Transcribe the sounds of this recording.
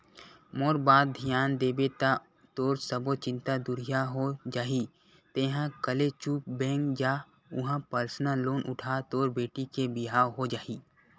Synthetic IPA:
moːɾbaːd̪̚d̪ʱijaːnd̪eːbet̪a | t̪oːɾsəbot͡ʃɪ̃nt̪ad̪ʊɾijaɦod͡ʒaːɦi | t̪ẽːɦãkəlet͡ʃuːp̚bɛ̃ːŋkd͡ʒaː | ʊɦãpəɾsnãloːnʔʊʈʰaːt̪oːɾbeːʈikebɪɦaːwɦod͡ʒaːiː

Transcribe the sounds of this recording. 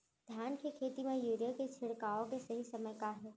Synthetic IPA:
d̪ʱjaːnkekʰeːt̪imẽjuːɾjəket͡ʃʰɪɽkaːõkesɐɦisɐməjkaɦɛː

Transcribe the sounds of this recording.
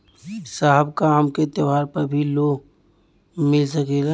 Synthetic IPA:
saɦəbkaːmket̪əʋaːɾpɐɾbʱiloːɡ | mɪlsɐkeɡa

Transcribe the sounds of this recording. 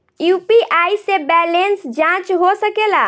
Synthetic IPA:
jupiʔaisebɛlensd͡ʒãt͡ʃɦosəkela

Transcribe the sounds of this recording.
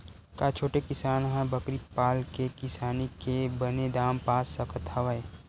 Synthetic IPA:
kat͡ʃʰoːʈekɪsaːnɦɛ̃bəkɾipaːlkekɪsaːnikebəned̪aːmpaːsəkʰət̪ʰaʋəe

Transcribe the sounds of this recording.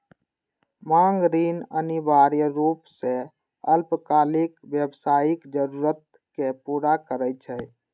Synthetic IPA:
maŋɡɾinə̰nibaɾjəɾupse | əlpkaːlikbjəbsaːikd͡ʒəɾuɾət̪̚ | kepuɾakəɾət͡ʃʰɛ

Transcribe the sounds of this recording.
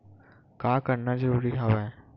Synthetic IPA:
kaːkəɾnad͡ʒəɾuːɾiɦaːʋɛ

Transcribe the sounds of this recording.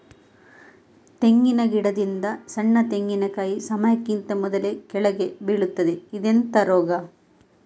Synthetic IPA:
t̪e̞ŋɡinɐɡiɽɐd̪ind̪ɐsɐɳːɐt̪eŋɡinɐkaːjisɐmɐjɐkːint̪ɐmɔd̪ɐle̞kɛɭɐɡe̞biɭut̪ːɐd̪e̞id̪ent̪ɐɾɔːɡɐ

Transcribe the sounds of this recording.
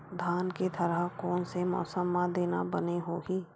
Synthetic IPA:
d̪ʱaːnket̪ʰəɾəɦkɔːnsemɔ̰ːsəmːãd̪eːnabəneɦoːɡiː

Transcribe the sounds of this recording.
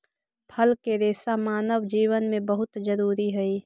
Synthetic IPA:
pʰɐlkeɾeːsamaːnəwd͡ʒiːwənmẽbəɦʊt̪d͡ʒəɾuːɾiɦɛiː

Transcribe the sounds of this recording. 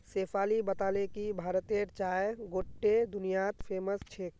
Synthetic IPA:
sefpʰaːlibət̪aːlekibʱaːɾət̪eɾt͡ʃaːjeɡoʈːed̪ʊnijat̪pʰeːməst͡ʃʰek

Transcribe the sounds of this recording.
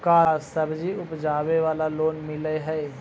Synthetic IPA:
kaːsɐbd͡ʒiʊpd͡ʒaːʋeʋaːlaloːnmɪleɦɛː

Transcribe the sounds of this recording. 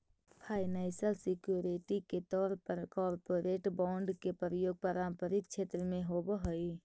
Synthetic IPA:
pʰaːɪnaːsəlsɪkjoːɾiʈiket̪ɔːɾpəɾkɔːɾpoːɾeːʈbɔ̃ːɳɖkepɾəjoːɡ̚pəɾãːmpəɾɪk̪̚t͡ʃʰeːt̪ɾəmẽɦobəɦoi

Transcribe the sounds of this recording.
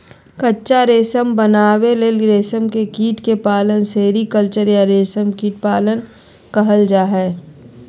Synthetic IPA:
kɐtːʃaɾeːsəmbənaːweleːlɾeːsəmkekiːʈkepaːlənseːɾikəlt͡ʃəɾjaɾeːsəmkiːʈ̚paːlən | kɐɦəld͡ʒaːɦɛː

